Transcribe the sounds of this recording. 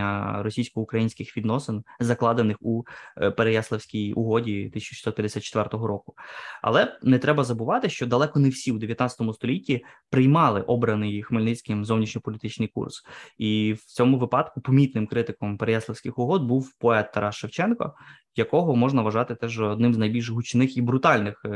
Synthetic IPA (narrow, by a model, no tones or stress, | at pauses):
ɐɾɔsʲijsʲkɔɦɔʊkɾɐjinʲsʲkɪxʋʲid̪nɔsɪnzɐklˠɑd̪enɪxupeɾejaslˠewsʲkʲijṵɦɔdʲit̪ɪsʲɐt͡ʃʃʲi̥sɔt̪pʲjɐd̪esʲat̪t͡ʃːe̥t̪ʋɛrt̪ɔɦɔɾɔkʊ̥ɐ̰lˠɛnɛt̪ɾɛbɐzɐbʊʋɑt̪ɪʃt͡ʃɔd̪ɐlˠɛkɔnɛwsʲiwd̪eʋʲjɐt̪nɑt͡sʲɪ̥t̪ɔmʊst̪ɔlʲitʲːipɾɪjmɑlˠɪʔɔbɾɐnɪjxmelʲnɪt͡sʲkɪmzɔwnʲit͡ʃnʲɔpɔlʲit̪ɪt͡ʃnɪjkṵrsiwt͡sʲɔmʊʋɪpɑd̪kʊpɔmʲit̪nɪmkɾɪt̪ɪkɔmpeɾejaslˠewsʲkʲɪxʊɦɔd̪̚buwpɔɛt̪ːɐɾɑʃːewt͡ʃɛnkɔ̰ | jɐkɔɦɔmɔʒnɐʋɐʒɑt̪ɪt̪ɛʒɔːd̪nɪmznɐjbʲilʲʒɦʊt͡ʃnɪxibɾʊt̪ɑlʲnɪx